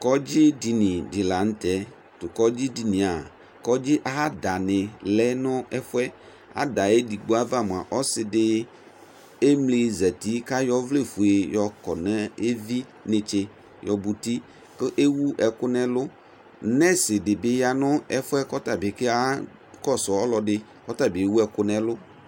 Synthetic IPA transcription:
kɔ˦d͡ʑi˦di˨nĩ˨dɪ˨la˨ŋ̩˦t̪ɛ˨˦ | tʊ˨kɔ˦d͡ʑi˦di˨nĩ˨a˨ | kɔ˦d͡ʑi˦ʔa˨ɦa˦da˨nɪ̃˨lɛ˦nʊ̃˦ɛ˦fʊ˦ɛ˦ | a̰˨da˨e˦di˨ɡ͡bo˦a˦va˦˨m˨a˨ʔɔ˦sɪ˨dɪ˦ | e˦mli˨zɛ˨t̪i˦ka˦jɔ˦vle˦fu˨e˨jɔ˨kɔ̰˨nɛ̃˦e˦vi˦ | nɪ̃˨t͡ʃɪ˨ | jɔ˨bu˨ti˦ | kɪ˦ʔe˦wu˦ʔɛ˨kʊ˦nɛ̃˦lʊ˦ | nɛ̃˦sɪ˨dɪ˨bɪ˦ja˨nʊ̃˦ɛ˦fʊ˦ɛ˦kɔ˦ta˨bɪ˨kɪ˦a˦ | kɔ˦sɔ˨ɔ˦lɔ˨dɪ˦ | kɔ˦t̪a˦˨bi˨e˨˦wu˦ɛ˨kʊ˦nɛ̃˨lʊ˦

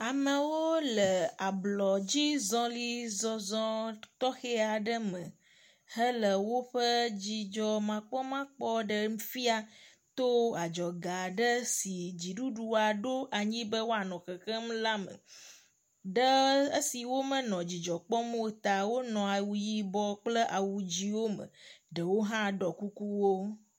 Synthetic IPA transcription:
a˨mə˨wo˦lə˨a˨blɔ˨d͡ʑi˦zɔ̃˦li˦zɔ˦zɔ̃˦t̪ɔ˦xe˦a˨ɖə˦mə̃˨ | hə˦lə˨wo˦ɸə˦d͡ʑi˨d͡ʒɔ˨mã˨k͡pɔ˦mã˦k͡pɔ˦ɖə˨m̩˦fi˦a˨ | t̪o˦a˨d͡ʒɔ˨ɡa˨ɖə˦si˨d͡ʑi˨ɖu˦ɖu˨a˨ɖo˦ʔa˨ɲĩ˦bə˦wo˦a˨nɔ̃˨kə˨xə˦m˦la˦mə̰˨ | ɖə˦ə˦si˨wo˦mə˨nɔ̃˨d͡ʑi˨d͡ʒɔ˨k͡pɔ˦m˦o˦t̪a˨wo˦nɔ̃˨a˨wu˨ji˦bɔ˦k͡plə˦ʔa˨wu˨d͡ʑi˦wo˦mə̰˨ɖə˨wo˦ɦã˦ɖɔ˨ku˦ku˦wo˦

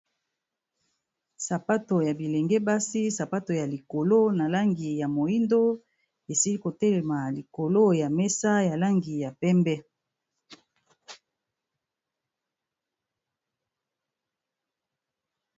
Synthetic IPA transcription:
sa˨pa˦to˨ja˨bi˨le˨ŋɡɛ˦ba˦si˦sa˨pa˦to˨ja˨li˨ko˨lo˦na˨la˦ŋɡi˨ja˨mo˨i˦ndo˦ | e˨si˦li˦ko˨tɛ˦lɛ˨ma˨li˨ko˨lo˦ja˨mɛ˦sa˦ja˨la˦ŋɡi˨ja˨pɛ˦mbɛ˦

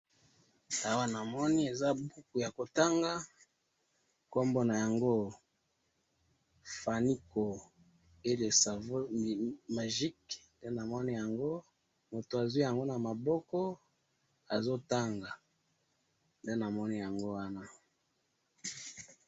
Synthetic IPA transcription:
a˨wa˦na˨mɔ˦ni˦e˨za˦bu˦ku˨ja˨ko˨ta˦ŋɡa˦ | ko˦mbo˦na˨ja˨ŋɡo˦ | fa˨ni˦ko˨ | e˦le˨sa˨vo˦˨ma˨ʒi˦knde˦na˨mɔ˦ni˦ja˨ŋɡo˦ | mo˨to˨a˨zwi˦ja˨ŋɡo˦na˨ma˨bɔ˦kɔ˦ | a˨zo˦ta˦ŋɡa˨ | nde˦na˨mɔ˦ni˦ja˨ŋɡo˦wa˦na˦

